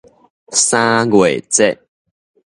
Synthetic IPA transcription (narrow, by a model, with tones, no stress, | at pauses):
sã˦ɡwe˨˩t͡sɛ˥˦˨ʔ